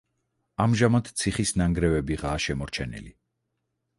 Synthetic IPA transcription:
amʒamad̪t̪sʰiχisnaŋɡɾɛvɛbiʁaːʃɛmɔɾt͡ʃʰɛnḭli

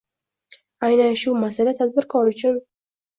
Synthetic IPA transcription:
ajnaʃumasalat̪ʰad̪̚bɪɾkʰɒɾɪt͡ʃʰʊn

